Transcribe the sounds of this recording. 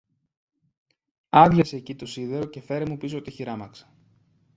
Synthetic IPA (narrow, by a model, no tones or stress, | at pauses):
ɐðʝɐseːcit̪o̞siðe̞ɾo̞ce̞fe̞ɾemupis̬oot̪içiɾɐmɐksɐ̥